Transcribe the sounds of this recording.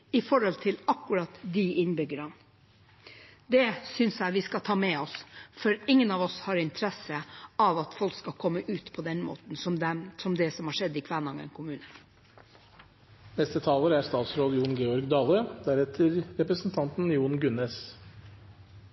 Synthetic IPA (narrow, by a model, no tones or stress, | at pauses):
ɪfɔɾhɔlt̪ʰɪlɑkːʉɾɑt̪d̪iʔɪnbʏɡəɾən | d̪ɛsʏnsjæɪʋɪskɑt̪ʰɑːmɛɔsfɔɾɪŋːənɑʋɔshɑɾɪnt̪ʰəɾɛsəɑʋɑt̪fɔlkskɑkʰɔmːəʔʉːt̪pʰɔd̪ɛnmo̰ːt̪n̩sɔsɔmd̪ɛsɔmhɑːʂɛd̪ːɪːkʰʋæːɳɑŋə̰nkʰʊmʉːnə | nɛst̪ət̪ʰɑːləɾæɾst̪ɑːt̪sɾoːd̪juːɳɡeːɔɾɡd̪ɑːləd̪æɾɛt̪ʰəɾɾɛpɾəsn̩t̪ʰɑnt̪n̩juːɳɡʉneːs